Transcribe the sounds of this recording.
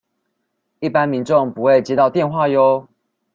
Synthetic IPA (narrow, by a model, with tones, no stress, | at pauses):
i˥˩pa˦nmi˨˦nʈ͡ʂʊ˥˨˩ŋpu˧˦xwe˥˩ɪt͡ɕjɛ˥˧t̪ɑ˥˧ʊt̪jɛ˥˧nxwa˥˨jo˦ʊ